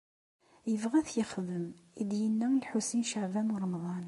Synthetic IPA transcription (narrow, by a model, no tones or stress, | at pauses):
jəvʁæθjəχðəmid̪jənːælħusinʃəʕvænɾˤɑmðˤɑn